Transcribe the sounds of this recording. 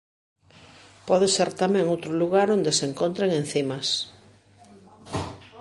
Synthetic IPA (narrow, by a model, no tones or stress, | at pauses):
pɔðeseɾt̪amɛ̃ŋowt̪ɾʊluɣaɾond̪eseŋkont̪ɾeŋẽn̟θimɐs